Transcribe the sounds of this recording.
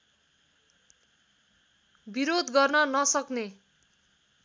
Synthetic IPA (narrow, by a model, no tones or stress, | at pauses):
biɾod̪ɡʌrnʌnʌsʌkne